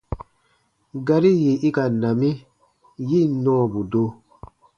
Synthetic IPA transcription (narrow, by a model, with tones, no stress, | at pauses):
ɡa˧ɾi˦je˨i˦ka˨nã˨mĩ˦ | ji˦˨nɔ̃ː˦˨bu˨do˦